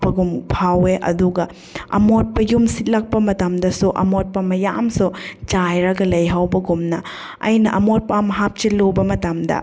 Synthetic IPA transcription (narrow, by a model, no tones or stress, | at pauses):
pɐɡumpʰaweʔɐ̰duɡɐ | ɐ̰mot̚pɐjumsit̚lɐk̚pɐmɐtɐmdɐsuʔɐ̰mot̚pɐmɐja̰msut͡ʃajɾɐɡɐlɐjɦawbɐɡumnɐ | ɐ̰jnɐʔɐmot̚pɐamɐɦap̚t͡ʃilobɐmɐtɐmdɐ̰